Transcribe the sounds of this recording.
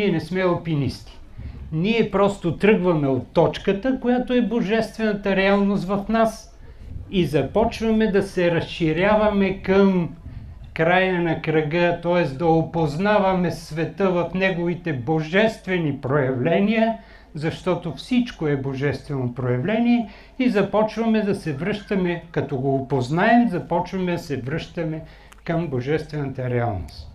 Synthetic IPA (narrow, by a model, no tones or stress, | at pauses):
niɛnɛsmɛopinḭst̪i̥ | niɛpɾɔst̪ot̪ɾɤɡvɐmɛot̪ːɔt͡ʃkət̪əkojat̪oɛboʒɛst̪vɛnɐt̪əɾɛalˠnost̪vɐfnas | izɐpɔt͡ʃvɐmɛd̪ɐsɛɾɐsʃiɾjavɐmɛkəm | kɾajɐnɐkɾɐɡət̪ɔɛsd̪ɐopoznavɐmɛsvɛt̪əvɐfnɛɡovit̪ɛboʒɛst̪vɛnipɾojɐvlɛnijə | zɐʃt̪ɔt̪ofsit͡ʃkoɛboʒɛst̪vɛnopɾojɛvlɛniɛ | izɐpɔt͡ʃvɐmɛd̪ɐsɛvɾɤʃt̪ɐmɛkɐt̪ɔɡoːpoznaɛmzɐpɔt͡ʃvɐmɛd̪ɐsɛvɾɤʃt̪ɐmɛ | kɐmboʒɛst̪vɛnɐt̪ɐɾɛa̰lˠno̰st̪